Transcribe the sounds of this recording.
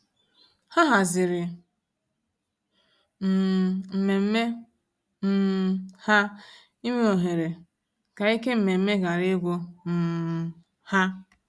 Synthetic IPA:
ha˦ɦa˨zɪ˨ɾɪ˨ | m̩˨m̩˨me˨m̩˦me˦ | m̩˦˨ha˦ | i˦me˦o˨ɦe˨ɾe˨ | ka˨i˦ke˦m̩˨me˨m̩˦me˦ɡa˨ɾe˦ɡʷo˦m̩˨ | ha˦

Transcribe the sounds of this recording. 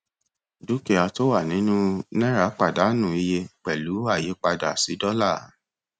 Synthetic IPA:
du˦ke˧˨a˧to˦wa˦˨nĩ˨˦nũ˦nɛ̃˦ɾa˨˦k͡pa˦˨da˨˦nũ˦˨i˧je˧k͡pɛ˨lu˨˦a˦˨je˨˦k͡pa˧da˨si˨˦dɔ˦la˦˨˦

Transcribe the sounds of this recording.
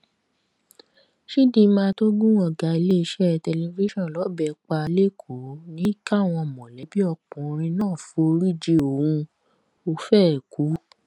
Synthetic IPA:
ʃi˦dĩ˧˦mãː˧˦to˦ɡũ˦ɔ̃˧˨ɡa˨i˧le˦i˧ʃɛ˦˨tɛ˧le˧vi˦ʃɔ̃˦˨lɔ˨˦bɛ˧˨k͡pa˧le˦˨kʰu˨˦nĩ˦ka˦˨w̃ɔ̃˧˨mɔ̃˨lɛ˨˦bi˦ɔ˧˨k͡pũ˨˧ɾ̃ĩ˧nãː˦˨fo˧˦ɾi˦d͡ʒe˧o˨wũ˧ | o˧fɛ˦˨ku˨˦

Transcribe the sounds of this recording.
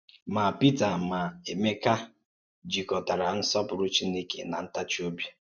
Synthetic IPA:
ma˨pi˦ta˨ma˨e˨me˦ka˦ | d͡ʒi˨kɔ˨ta˨ɾa˨n̩˦sɔ˦pʊ˨ɾu˦t͡ʃi˦ne˦kḛ˨na˨n̩˦ta˦t͡ʃi˦o˦bja˦

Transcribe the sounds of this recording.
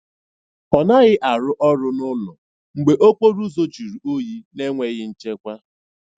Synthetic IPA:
ɔ˨na˦ɣɪ˦ʔa˨ɾʊ˦ʔɔ˦ɾʊ˦nʊ˦lʊ˨ | ŋ͡m̩˨ɡ͡be˨ʔo˦k͡po˦ɾu˦zo˦t͡ʃi˨ɾu˨ʔo˦ji˦ne˦ŋʷe˨ɣɪ˦n̩˦t͡ʃe˦kʷa˦

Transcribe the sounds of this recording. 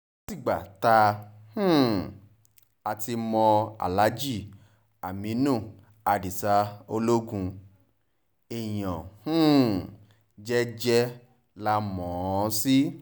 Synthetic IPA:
si˦˨ɡ͡ba̰˨ta˧h̩˦˨ | a˧ti˧mɔ̃˧a̰˨la˨˦d͡ʒi˦˨ | a˨mĩ˨˦nũ˦˨ | a˨di˨sa˧o˧lo˦ɡũ˧ | e˨j̃ɔ̃˨h̩˦˨ | d͡ʒɛ˦d͡ʒɛ˦ | la˦mɔ̃˨˦˧si˦

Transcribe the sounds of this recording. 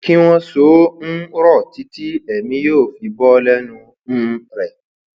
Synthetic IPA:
ki˦w̃ɔ̃˧so˨˦ñ̩˦ɾɔ˦˨ti˨˦ti˦ɛ˨mĩ˨˦joː˦˨fi˧bɔ˦lɛ˦nũ˧ | ñ̩˦ɾɛ˨

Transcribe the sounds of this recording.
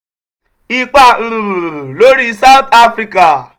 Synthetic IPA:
i˦k͡pa˦˨˦ɾũ˨ɾlo˦ɾi˦sa˦wt̪a˦fɾi˧ka˨

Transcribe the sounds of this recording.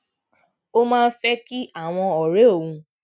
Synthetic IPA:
o˦mãː˦˧n˦fɛ˦ki˦a˦˨w̃ɔ̃˧ɔ˨ɾe˨˦o˦˨ũ˧

